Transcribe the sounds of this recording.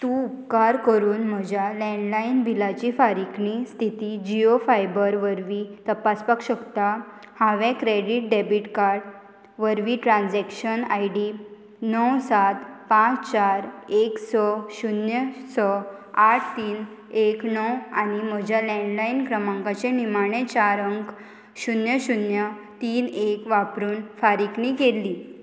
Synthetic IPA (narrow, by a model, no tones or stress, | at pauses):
t̪ũupkaɾkəɾuːnm̤əd͡ʑʱjalɛ̃ɳɖlainbʱilat͡ɕifaɾiknist̪ʰit̪id͡ʑiofajbəɾʋəɾʋit̪əpaspakɕəkt̪a | hãʋɛ̃kɾeɽiʈ̚ɖebiʈkaɾɽ | ʋəɾʋiʈɾãnd͡zɛkɕəna̰jɖi | nəwsat̪pãt͡st͡ɕaɾeksɔɕunjəsɔaʈʰt̪iːn | eknɔwanim̤əd͡ʑʱjalɛ̃ɳɖlainkɾəmãŋkat͡ɕẽnimaɳ̃ẽt͡ɕaɾəŋɡ | ɕunjəɕunjət̪iːnekʋapɾuːnfaɾiknikelːiː